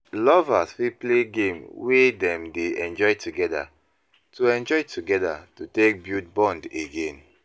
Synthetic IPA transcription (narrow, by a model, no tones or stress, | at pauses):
lɔvasfipleɡẽmwedɛ̃mdeɛ̃nd͡ʒɔɪtʰuɡɛda̰ | tuɛ̃nd͡ʒɔɪtʰuɡɛda̰tutek̚bjut̚bɔ̃ndeɡẽn